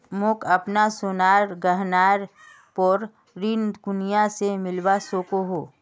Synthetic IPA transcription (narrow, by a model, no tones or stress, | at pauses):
mʊkʰɐpnasʊnaːɾɡəɦnaːɾ | pɔːɾ | ɾind̪ɡʊnijasemɪlbasoːkoɦoː